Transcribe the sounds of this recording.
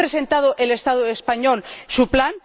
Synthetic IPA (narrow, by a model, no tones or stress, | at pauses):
ɾese̞nt̪að̞oʔele̞st̪aðoespaɲolsuplan